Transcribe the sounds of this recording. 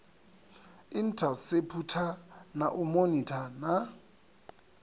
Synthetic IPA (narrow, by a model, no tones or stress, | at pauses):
ɪn̩tʰasepʰutʰanaʔʊmonitʰana